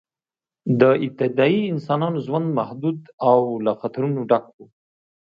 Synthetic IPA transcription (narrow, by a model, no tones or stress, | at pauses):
d̪əɪp̚t̪ɪd̪ɑiɪnsɑnɑnoʒwand̪mahd̪ud̪awlaxat̪aɾunoɖak̚wu